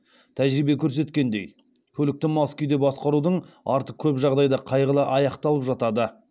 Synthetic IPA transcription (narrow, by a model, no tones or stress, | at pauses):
t̪ʰæʒɾibe̞kʲʰɵɾs̬e̞t̪kʲe̞nd̪e̞j | kʲʰɵlɪk̚t̪ɪmɑskʲʏjd̪e̞bɑsqɑɾud̪əɴɑ̰ɾt̪əq̚kʲʰɵpʒɑʁd̪ɑjd̪ɑqʰɑjʁəlˠəʔɑjɑqt̪ɑlˠəpʒɑt̪ɑd̪ə